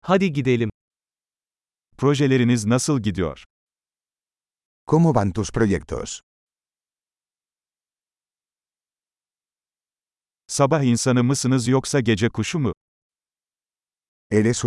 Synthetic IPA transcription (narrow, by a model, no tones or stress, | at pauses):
had̪iɟid̪elʲim | pʰɾo̞ʒe̞lʲe̞ɾiniznasɯlˠɟid̪ijo̰ɾ̥ | kʰomubant̪uspɾojɛk̚t̪ʰø̰z̥ | sabaɦinsanɯmɯsɯnɯzjoksaɟe̞d͡ʒɛkʰuʃumu | elɛsu